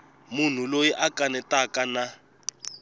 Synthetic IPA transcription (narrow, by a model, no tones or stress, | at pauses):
mun̤ulojiʔakʼanɛtʼakʼana